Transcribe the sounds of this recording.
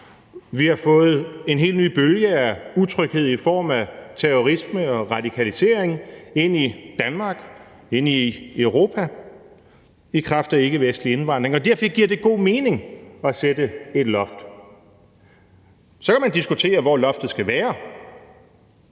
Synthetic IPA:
ʋihɑ̈fɔ̽ːð̞̩ˠe̝nɦe̝̰ːlny̰ːb̥øljəæut͡sʰʁœɡ̥he̝ð̞̰ˠifɒ̰ːmæt͡sʰeɔʁisməɒ̽ʁɑ̈d̥ikʰælise̝̰ɐ̰eŋe̝n̰id̥ænmɑ̈ːɡ̥ | e̝n̰iøʊʁo̝ːpʰæ | ikʰʁɑfd̥ɐe̝ɡ̥əʋesd̥lie̝nʋɑ̈n̰d̥ʁeŋɒ̽d̥æɐfɒɡ̥iɐ̰d̥e̝ɡ̥o̝̰ːme̝ːne̝ŋɒ̽sed̥əe̝d̥lɒ̽fd̥ | sɒ̽kʰæmænd̥isɡ̥ut͡sʰe̝̰ːɐʋɒlɒ̽fd̥ð̩ˠsɡ̥æʋæːɐ

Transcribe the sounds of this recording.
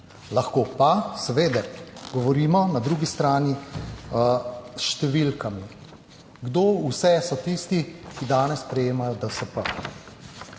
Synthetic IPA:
laxkoːpasɛʋeːd̪aɾɡɔʋɔɾiːmɔnad̪ɾuːɡist̪ɾaːni | ʃt̪ɛʋiːlkami | ɡd̪oːusɛsɔt̪ist̪ikid̪aːnɛspɾɛjeːmajɔd̪əsəpə

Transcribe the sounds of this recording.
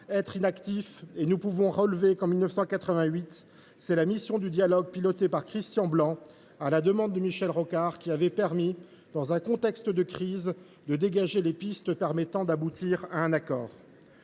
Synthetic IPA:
ɛt̪χinakt̪ifenupuvɔ̃ʁəlvekɑ̃milnəfsɑ̃kat̪χəvɛ̃ɥit̪ | sɛlamisjɔ̃d̪yd̪jalɔɡ̚pilɔt̪epaʁkχist̪jɑ̃blɑ̃ | alad̪əmɑ̃d̪ːəmiʃɛlʁɔkaʁkʲiavɛpɛʁmi | d̪̥ɑ̃zɛ̃kɔ̃t̪ɛkst̪d̪əkχiz | d̪əd̪eɡaʒelepist̪pɛʁmɛt̪ɑ̃d̪abut̪iʁaɛ̃nakɔːʁ

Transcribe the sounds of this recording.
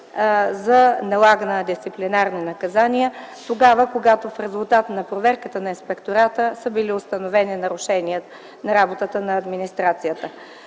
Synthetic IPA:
zɐnɐlˠaɡənəd̪ist̪siplinaɾninɐkɐzaniət̪oɡavəkoɡat̪ofɾɛzʊlˠt̪at̪nɐpɾovɛɾkət̪ənɐinspɛkt̪oɾat̪əsəbiliʊst̪ɐnovɛninɐɾʊʃɛniə | nɐɾabot̪ət̪ənɐɐːd̪minist̪ɾat̪sijət̪ə

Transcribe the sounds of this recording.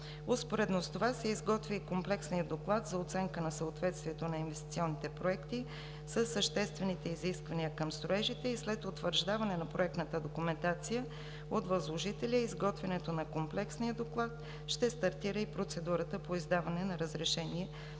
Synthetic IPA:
ospoɾɛd̪nost̪ovasɛizɡɔt̪vikomplɛksnijəd̪oklˠat̪zɐot̪sɛŋkənɐsəot̪vɛt̪st̪viɛt̪onɐinvɛst̪it̪siɔnːit̪ɛpɾoɛkt̪i | səsːəʃt̪ɛst̪vɛnit̪ɛiziskvɐniəkəmst̪ɾoɛʒit̪ɛislɛt̪ot̪vəɾʒd̪avɐnɛnɐpɾoɛk̚t̪nət̪əd̪okʊmɛnt̪at̪sijə | ot̪vəzlˠoʒit̪ɛlʲəizɡɔt̪vɛnɛt̪onɐkomplɛksnijəd̪oklˠat̪ | ʃt̪ɛst̪ɐɾt̪iɾəipɾot̪sɛd̪uɾət̪əpoizd̪avɐnɛnɐɾəzɾɛʃɛniɛ

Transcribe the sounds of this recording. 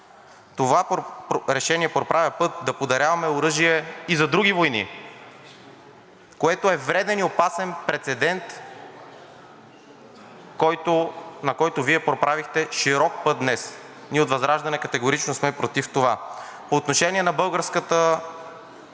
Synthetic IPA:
t̪ovapɾɛʃɛniɛpɾopɾavɛpɤt̪̚d̪ɐpod̪ɐɾʲjavɐmɛoɾɤʒiɛizɐd̪ɾuɡʲivojnḭ | koɛt̪oɛvɾɛd̪ɛniopasɛnpɾɛt̪sɛd̪ɛnt̪ | kɔjt̪onɐkɔjt̪oviɛpɾopɾʔavixt̪ɛʃiɾɔk̚pɤt̪̚d̪nɛs | niot̪vɐzɾaʒd̪ɐnɛkɐt̪ɛɡoɾit͡ʃnosmɛpɾot̪ift̪ovapoːt̪noʃɛniɛnɐbɤlˠɡəɾskət̪ə

